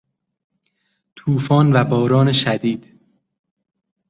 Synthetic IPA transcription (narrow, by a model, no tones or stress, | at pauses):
t̪ʰuːfɒːnvæbɒːɾɒːne̞ʃæd̪iːd̪̥